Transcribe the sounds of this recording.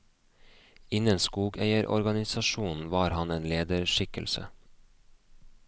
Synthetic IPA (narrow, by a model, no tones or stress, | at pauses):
ɪnənskuːɡæɪəɾʔɔ̰ɾɡɑnɪsɑʃuːnn̩ʋɑːɾhɑneːnleːd̪əɾʃɪkə̰lsə̰